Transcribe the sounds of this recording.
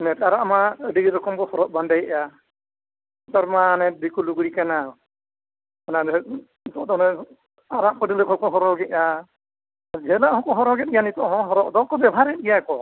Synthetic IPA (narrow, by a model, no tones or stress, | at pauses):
nɛtaɾaʔmaədiɡiɾɔkɔmbɔhɔɾɔʔ̚bandajɛʔja | t̪ɔɾmanɛbikuluɡuɽikana | ana | it̪ɔʔd̪ɔnɛ | aɾaʔpəɽiləkʰɔkɔɦɔɾɔɡɛʔja | d͡ʒɛlaʔhɔ̃kɔɦɔɾɔɡɛt̚ijanit̪ɔʔɦɔ̃ɦɔɾɔʔdɔkɔbɛbʱaɾɛt̚ɡijakɔ